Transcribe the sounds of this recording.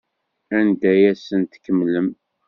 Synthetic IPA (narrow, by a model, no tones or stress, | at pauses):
ænd̪æjæsənt̪kːəmːləm